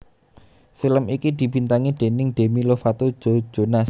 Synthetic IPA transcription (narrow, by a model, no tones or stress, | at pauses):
filəmikid̪̥i̤b̥i̤nt̪aŋiɖ̪̥e̤nɪŋɖ̪̥e̤milofat̪od̥ʒ̥o̥ʒ̥ona